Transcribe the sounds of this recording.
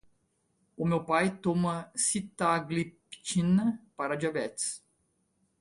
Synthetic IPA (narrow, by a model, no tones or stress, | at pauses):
ʊmewpajt̪omɐsit̪aɡlipt͡ʃinɐpaɾɐd͡ʒavɛt̪s